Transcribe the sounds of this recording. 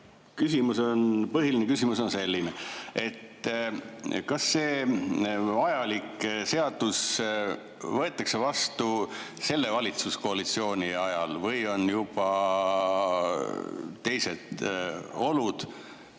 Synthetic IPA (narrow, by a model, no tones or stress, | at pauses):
kysimuso̞npɤɦilinekysʲimuso̞nse̞lʲːinee̞t̪ː | kɑsːe̞ː | ɑjɑlikse̞ɑd̪̥us | vɤ̞e̞t̪ːˑɑkse̞vɑst̪u | se̞lːe̞vɑlʲit̪susko̞ɑlit̪sio̞ːnʲiɑjɑlvɤjo̞njub̥ɑ | t̪e̞jse̞d̪̥ | o̞lud̪̥